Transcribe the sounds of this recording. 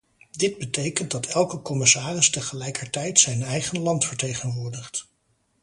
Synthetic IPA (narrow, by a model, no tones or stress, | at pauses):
dɪd̚bətejkənt̚dɑtʰɛlˠkəkɔmɪsaːrɪstəχəlɛjkəɹtɛjtsɛjnɛjχənlɑntfəɹtejχənʋʊːɹdəχt